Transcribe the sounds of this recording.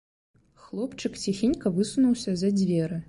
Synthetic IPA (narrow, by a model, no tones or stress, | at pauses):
xlˠɔpt͡ʂɨkt͡sʲixʲinʲkɐvɨsunuwsʲɐzɐd͡zʲvʲɛɾɨ